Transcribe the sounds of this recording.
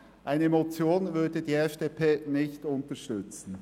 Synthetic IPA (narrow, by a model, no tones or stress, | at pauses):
ʔaɪnəmot͡sjoːnvʏdədiːɛfd̥eːpʰeːnɪçtʊntəʃtʏt͡sn̩